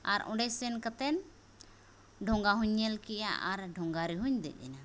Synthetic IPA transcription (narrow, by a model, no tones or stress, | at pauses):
aɾɔ̰̃ɖɛsɛnkat̪ɛn | ɖʱɔ̃ŋɡaɦuɲːɛlkɛja̰ʔaɾɖʱɔ̃ŋɡaɾɛɦuɲd̪ɛ̰c̚d̪ɛna